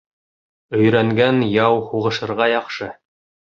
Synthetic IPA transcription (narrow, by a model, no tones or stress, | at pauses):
ɵ̆jɾæŋɡænjɑwhuʁɤ̆ʃɤ̆ɾʁɑjɑqʃɤ